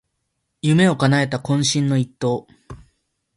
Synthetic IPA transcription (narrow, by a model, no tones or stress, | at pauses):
jɯme̞o̞kanae̞t̪akõ̞ɰ̃ɕĩnːo̞it̪ːo̞ː